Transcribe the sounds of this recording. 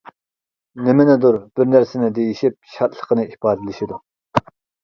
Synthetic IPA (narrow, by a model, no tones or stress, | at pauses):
nɪmɛnɛd̪uɾb̥ɪɾnæɾsɪnɪd̪ejiʃip̚ʃɑt̪ʰlˠə̥qʰənɨipʰɑːd̪ɪlɪʃid̪u